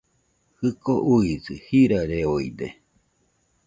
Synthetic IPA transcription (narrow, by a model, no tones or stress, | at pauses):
hɨkoʔuisɨhiɾaɾeoḭd̪ḛ